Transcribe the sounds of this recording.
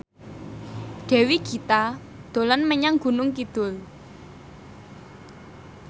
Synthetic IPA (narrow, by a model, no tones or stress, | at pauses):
ɖ̪̥ɛ̤wiɡ̥i̤t̪a | d̪̥o̤lanməɲaŋɡ̥ṳnʊŋkid̪̥ʊl